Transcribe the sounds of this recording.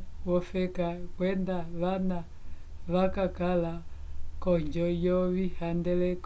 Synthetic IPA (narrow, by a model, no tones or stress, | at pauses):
wɔfɛkakwɛndaʋana | βakakalakɔɲd͡ʒɔjɔβihandɛlɛk